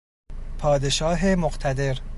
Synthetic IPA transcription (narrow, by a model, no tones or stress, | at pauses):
pʰɒːd̪e̞ʃɒːɦemoqt̪ʰæd̪e̞ɾ